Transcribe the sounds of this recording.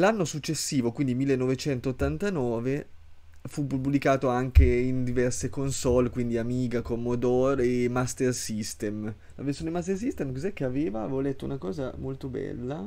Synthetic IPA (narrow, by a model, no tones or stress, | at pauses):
lanːosut͡ʃːesːiːvokwind̪imilːenːovet͡ʃɛnt̪oːt̪ːant̪anɔːve | fupːublikaːt̪oaŋkeind̪ivɛrsekonsɔlekwind̪iamiːɡakomːod̪oːɾemast̪ersist̪em | la̰versjoːneimast̪ersist̪emkozɛk̟ːeaveːvaːveːvolɛt̪ːo̰unakɔːzamolt̪obɛ̰lːa